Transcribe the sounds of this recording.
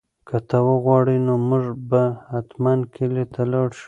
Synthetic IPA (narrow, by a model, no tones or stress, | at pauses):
kʰat̪awəɣwɑɽinomʊʐbahat̪mankʰilet̪ʰalɑɽʃu̥